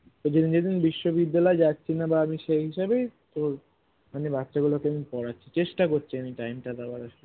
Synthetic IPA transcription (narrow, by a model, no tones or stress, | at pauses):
t̪od͡ʑed̪ind͡ʑed̪inbiʃːobid̪ːalɔed͡ʑatːɕʰinabaamiʃeɦiʃabejt̪oɾ | anibatːɕaɡulokeamipɔɽatːɕʰit͡ɕeʃʈakoɾt͡ɕʰiamiʈajmʈad̪abaɾaʃe